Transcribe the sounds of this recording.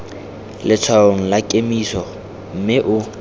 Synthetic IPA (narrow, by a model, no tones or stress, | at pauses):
lɪt͡sʰwaoŋ̩lakʼemisɔ | m̩mɪʔʊ